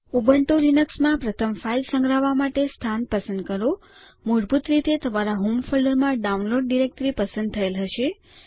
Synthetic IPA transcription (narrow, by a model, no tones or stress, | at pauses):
ubəɳʈolinəksmãpɾət̪ʰəmfailsə̃ŋɡɾaʋamaʈest̪ʰanpəsənd̪̚kəɾo | muɾbʱut̪ɾit̪et̪ʰəmaɾaɦumfələɾmãɖaunloɖɖiɾek̚ʈɾipəsə̃nd̪̚t̪ʰəelɦəʃe